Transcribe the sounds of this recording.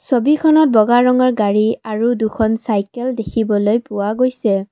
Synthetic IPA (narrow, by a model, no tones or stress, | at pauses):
sobikʰɔnɔt̚bɔɡaɹɔŋɔɹɡaɹiaɹudukʰɔnsajkɛldekʰibɔlojpʊwaɡojsɛ